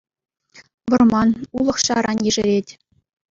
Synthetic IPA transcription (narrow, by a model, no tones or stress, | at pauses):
ʋɤ̆rmɑnulˠɤ̆χɕɑɾʔɑnʲjeʐɘ̆ɾʲetʲ